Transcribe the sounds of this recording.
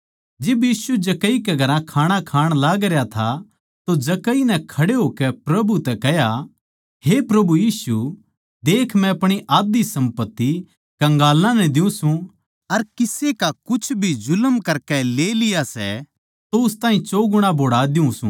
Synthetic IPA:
d͡ʒɪbjiːsud͡ʒɐkəikɛɡʱɐɾãkʰaːɽ̃akʰaːɽ̃laːɡɾjat̪ʰa | t̪od͡ʒɐkəinɛkʰɐɽeɦoːkɛpɾɐbut̪ɛkɛɦja | hepɾɐbujiːsu | d̪eːkʰmɛ̃ɐpɽ̃iʔaːd̪isɐ̃mpət̪ːi | kɐ̃ŋɡaːlãnɛd̪ɪũsũ | ɐɾkɪsekakʊt͡ʃʰbʱizʊləmkɐɾkɛleːlɪjasɛ̰ | t̪oʊst̪ãːĩt͡ʃoːɡʊɽ̃ãbʱoːɽaːd̪ɪũsṵ̃

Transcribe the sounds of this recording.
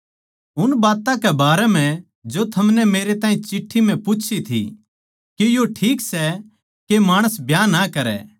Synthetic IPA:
ʊnbaːt̪ãkɛbaːɾɛm̤ɛ̃ | d͡ʒot̪ʰɐmnɛmeːɾet̪aːĩt͡ʃɪʈʰːimɛ̃pʊt͡ʃʰit̪ʰḭ | kejoʈʰiːksɛ | kemaːɽ̃əsbʱjaːnːakɐɾɛ̰ː

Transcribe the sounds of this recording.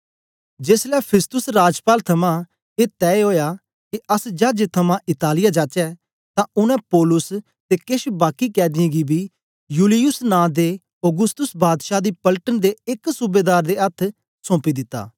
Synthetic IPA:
d͡ʒeːslɛːpʰɪst̪ʊsɾaːd͡ʒpaːlt̪ʰɐmã | eːt̪ɛːeɦoːjaː | kiɐsd͡ʒaːd͡ʒet̪ʰɐmãʔɪt̪aːlɪjad͡ʒaːt͡ʃɛ | t̪ãʊnɛ̃poːlʊs | t̪ekɪʃbaːkikɛːd̪ɪĩɡibʱiː | juːlɪjʊsnãːd̪e | ɔɡʊst̪ʊsbaːd̪ʃaːd̪iːpɐlʈənd̪eɪksubeːd̪aːɾd̪eɐt̪ʰ | sõːpid̪ɪt̪ːa̰ː

